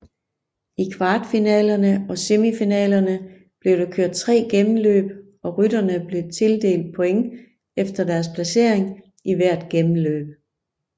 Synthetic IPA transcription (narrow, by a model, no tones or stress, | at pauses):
ikʰʋɑ̈ːd̥finɛ̰ːlɐnəɒ̽se̝mifinɛ̰ːlɐnə | b̥le̝ʊɾ̥ekʰøɐ̰d̥̚t͡sʰʁɛ̰ːɡ̥emn̩lø̰ːb̥ | ɒ̽ʁydɐnəb̥le̝t͡sʰe̝ld̥e̝̰ːld̥̚pʰɔ̽eŋ | efd̥ɐd̥æɐs̬pʰlæse̝̰ɐ̰eŋ | ʔiʋæɐ̰d̥̚ɡ̥emn̩lø̰ːb̥̚